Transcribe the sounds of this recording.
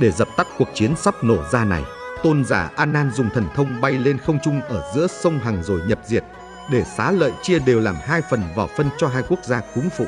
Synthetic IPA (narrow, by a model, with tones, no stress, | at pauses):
ɗe˧˩zə˨˩p̚t̪a˦˥k̚ku˨˩ək̚t͡ɕi˨˦ənsa˦˥p̚no˧˩zaː˧na̰˨˩jt̪o˧nza̰ː˧˩ʔaː˧naː˧nzʊ˨˩ŋ͡mt̪ʰə˨˩nt̪ʰə˧wŋ͡mɓa˧jle˧nxə˧wŋ͡mt͡ɕʊ˧ŋ͡mʔəː˧˩zɨ̰˧˥əsə˧wŋ͡mɦa˨˩ŋzo˨˩jɲə˨˩p̚zi˨˩ət̚ | ɗe˧˩saː˨˦lə̰ː˧˨jt͡ɕi˧əɗe˨˩wlaː˨˩mɦaː˧jfə˨˩nvaː˨˩wfə˧nt͡ɕɔ˧ɦaː˧jku˦˥ək̚zaː˧kʊ˨˦ŋfṵ˧˨